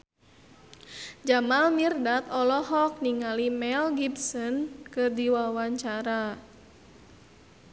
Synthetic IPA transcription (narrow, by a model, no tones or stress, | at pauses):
d͡ʒamalmirdat̪ɔlɔɦɔk̚niŋalimɛlɡibsɔnkɨrdiwawaɲt͡ʃaɾa